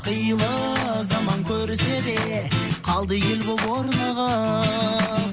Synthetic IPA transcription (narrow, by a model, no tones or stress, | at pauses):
qʰəjəlˠə | zɑmɑŋkʲʰɵɾɪsed̪e | qʰɑlˠd̪əjelbobwoɾnɑʁɑ